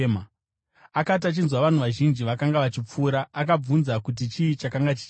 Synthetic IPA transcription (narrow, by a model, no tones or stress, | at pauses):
ma | akat̬at͡ʃinzwaʋan̤uʋaʒind͡ʒiʋakaŋɡaʋat͡ʃip͡fuːɾaːkab͡vunzakut̬it͡ʃiit͡ʃakaŋɡat͡ʃi̥t͡ʃ